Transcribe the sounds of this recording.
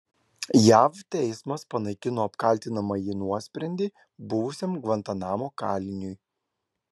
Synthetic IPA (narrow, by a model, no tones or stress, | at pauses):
jæːft̪ʲɛɪsmɐspɐnɐɪkʲɪnoːɐpkɐlʲˑt̪ʲɪnɐmɐjiːnuɔsʲpʲɾʲɛnʲd̪ʲiː | bʊʋʊsʲɛmɡʋɐnt̪ɐnɑːmoːkɑːlʲɪnʲʊj